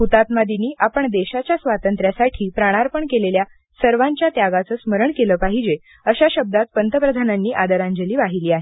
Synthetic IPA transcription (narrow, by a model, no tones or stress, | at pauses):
ɦut̪at̪̚mad̪iniːʔapəɳd̪eɕat͡ɕjasʋat̪ənt̪ɾjasaʈʰiːpɾaɽ̃aɾpəɳkelelja | səɾʋaɲt͡ɕjat̪jaɡat͡səːsməɾəɳkeləːpaɦid͡ʑe | əɕaɕəb̚d̪at̪̚pənt̪əpɾəd̪ʱananːiːʔad̪əɾãɲd͡ʑəliːʋaɦiliːaɦe